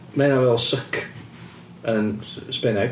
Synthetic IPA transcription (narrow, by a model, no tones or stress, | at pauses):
mɛnawɛlˠsəkʰ | ənspɛnɛ